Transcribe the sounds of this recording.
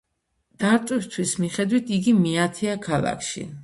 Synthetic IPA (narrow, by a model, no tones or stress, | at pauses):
d̪̥aɾt̪ʼwist̪ʰwismiχɛd̪wit̪ʰiɡimiat̪ʰɛakʰalˠa̰kʰʃḭ